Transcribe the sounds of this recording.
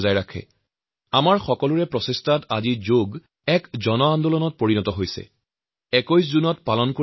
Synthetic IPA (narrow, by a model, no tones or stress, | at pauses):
zajɹakʰɛ̰ | amaɹxɔkɔluɹɛpɹɔsestʰata̰zizoɡ | ɛkzɔnɔandɔlɔnɔt̚poɹinɔtɔɦojsɛ̰ | ɛkojs̬zunɔtpalɔnko